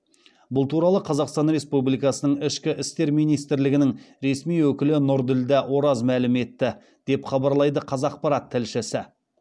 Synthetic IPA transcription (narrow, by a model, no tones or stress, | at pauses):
bʊlˠt̪ʰuɾɑlˠəqʰɑzɑqst̪ɑnɾe̞spublijkɑsənəɴɪʃkʲɪʔɪst̪e̞ɾmijnijst̪ɪɾlɪɡʲɪnɪŋ | ɾe̞smijwɵkʲɪlɪnʊɾd̪ɪld̪ɪwo̞ɾɑzmælɪme̞t̪ːɪ | d̪̥e̞pχɑbɑɾlˠɑjd̪əqʰɑzɑq̚pɑɾɑt̪ʰːɪlʃɪsɪ